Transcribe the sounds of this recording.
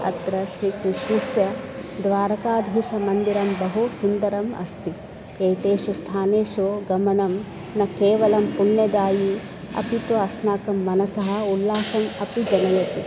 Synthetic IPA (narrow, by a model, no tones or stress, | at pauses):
ɐ̰t̪ɾɐʃɾikɾiʃisjɐd̪ʋaːɾɐkaːd̪ʱiːʃɐmɐnd̪iɾɐmbɐɦusund̪ɐɾɐmɐ̰st̪i | eːt̪eːʃust̪ʰaːneːʃoɡɐmɐnɐm | nɐkeːʋɐlɐmpuɳːɐd̪aːji | ɐ̰pit̪ɐɐsnaːkɐmːɐnɐsɐɦɐ̆ulːaːʃɐmɐpid͡ʒɐnɐlet̪i